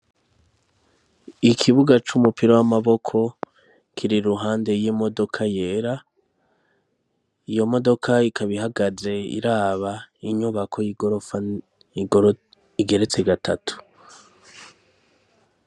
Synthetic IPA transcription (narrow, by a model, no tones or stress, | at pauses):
ikʰiβuɡat͡ʃumupiɾowamaβo̞kʰo̞ | kʰiɾiɾuɦaːnde̞jimo̞do̞kʰajeɾa | ijo̞mo̞do̞kʰaikaβiɦaɡaze̞ḭɾaːβaiɲuβakʰo̞jiɡo̞ɾofa | iɡoɾ | iɡe̞ɾe̞t͡se̞ɡatatʰu̥